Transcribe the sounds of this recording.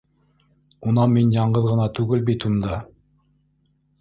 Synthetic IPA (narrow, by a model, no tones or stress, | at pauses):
unɑminjɑɴɢɤðʁɤ̆nɑt̪ʉɡɘlbit̪und̪ɑ